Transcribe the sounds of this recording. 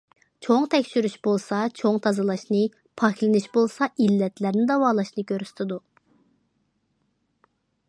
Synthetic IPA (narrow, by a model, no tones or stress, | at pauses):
t͡ʃʰoŋt̪ʰɛkʲʃyɾyʃbolˠsɑt͡ʃʰoŋt̪ʰɑzɨlˠɑʃnɨ | pʰɑkʰʲlɪnyʃbolˠsɑʔilːɛt̪læɾnɪd̪ɑwɑːlˠɑʃnɨkʲøɾst̪ʰɪd̪u